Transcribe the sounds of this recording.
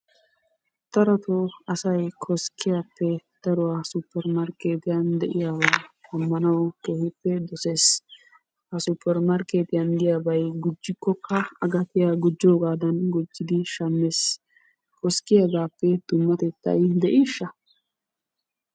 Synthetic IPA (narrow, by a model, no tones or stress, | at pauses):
t̪ɐɾɐt̪ɔɐsɐjkʰɔskːɪjaːpːɛd̪̥ɐɾɔwaːsupːɛɾmɐɾkeːt̪ɪjand̪ɛʔɪjaːwɐɐmːɐnɐwɔkeːhɪpːɛd̪ɔse̞ːs | hɐsupːɛɾmɐɾkeːt̪ɪjand̪ɪjabɐjɡʊd͡ʒːɪkːɔkːɐɐɡɐt̪ɪjaɡʊd͡ʒːoːɡaːd̪ɐnɡʊd͡ʒːɪd̪ɪʃɐmːeːs | kɔskːɪjaɡaːpːɛd̪ʊmːɐt̪ɛt̪ːɐ̰jd̪ɛʔiːʃːɐ